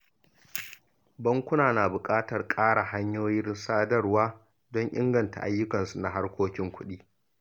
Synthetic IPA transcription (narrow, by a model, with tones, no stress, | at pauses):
bɐ˦ŋkʷʊ˦naː˨na˨bʊ˨kʼaː˦tɐ˨rkʼaː˦ɽa˨ha˦ɲjoː˦jɪ˦rsaː˦dɐ˦rwaː˦ | dɔ˦ɲʔɪ̰˦ŋɡɐ˨nta̰˨ʔa˦jːʊ˦kɐ˨nsu˨na˨ɦa˦rkʷoː˦kʲɪ˦ŋkʷʰʊ˦ɗiː˦